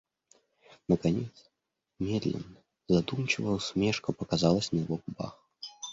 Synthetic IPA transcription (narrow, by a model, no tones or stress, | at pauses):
nəkanʲet̪s | mʲed̪lʲɪ̰nːə | zad̪umt͡ɕɪvəsʲmʲeʂkəpəkazalˠəsʲnəjɪvoɡʊba̰x